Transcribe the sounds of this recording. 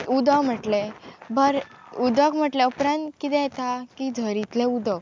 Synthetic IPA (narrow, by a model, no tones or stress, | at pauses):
ud̪əm̤əʈlebəɾud̪əkm̤əʈleupɾãnt̪kit̪ɛ̃jɛt̪akid͡zʱəɾit̪lẽud̪ə